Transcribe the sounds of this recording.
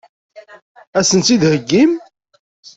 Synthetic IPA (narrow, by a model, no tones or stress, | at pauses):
æsənt̪id̪həɡːim